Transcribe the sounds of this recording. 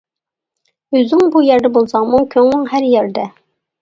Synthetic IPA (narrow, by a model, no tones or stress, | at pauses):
øzɪŋbujæɾd̪ɛbolˠsɑŋmukʲʰøŋnɪŋɦæɾjɛɾd̪ɛ